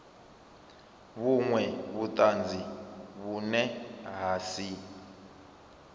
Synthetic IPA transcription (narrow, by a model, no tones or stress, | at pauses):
βuŋwɛβut̪ʼand͡zʱiβunɛɦasi